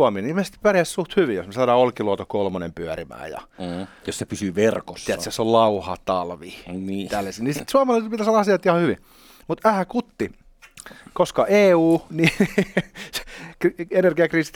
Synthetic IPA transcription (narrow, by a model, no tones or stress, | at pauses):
ɑminimest̪ppærjæssuht̪hyʋijo̰smesɑːdɑːolkiluɑt̪okolmonḛmpyæɾimæ̰ːjɑ̰jossepysyʋerkoiæt̪sesollɑuhɑt̪ɑlʋinit̪ælːæsiːnisit̪suɑmɑlɑˑiset̪pit̪æsolːɑɑsiɑt̪ihɑhyʋḭ | mut̪æhækut̪ːi | koskɑʔeːuːni | skrienerɡiɑkriːst̪